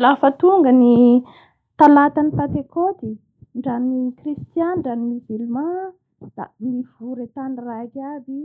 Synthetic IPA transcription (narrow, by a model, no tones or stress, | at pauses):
lafət̪uŋɡəni | t̪alat̪anipat̪ekot̪i | ɳɖ͡ʐanikrist̪janɳɖ͡ʐanimizilma | d̪̥a̰miv̥uɾet̪anirakabi